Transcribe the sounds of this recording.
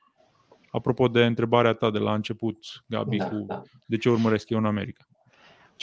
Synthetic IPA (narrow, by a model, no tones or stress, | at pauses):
apɾo̞po̞d̪e̞ɨnt̪ɾe̞baɾeat̪ad̪e̞laɨnt͡ʃe̞put̪ɡa̰bihu | d̪e̞t͡ʃe̞urməɾe̞skjewɨname̞̰ɾikḁ